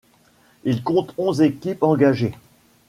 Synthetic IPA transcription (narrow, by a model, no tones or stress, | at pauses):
ilkɔ̃t̪ɔ̃zekʲipɑ̃ɡaʒe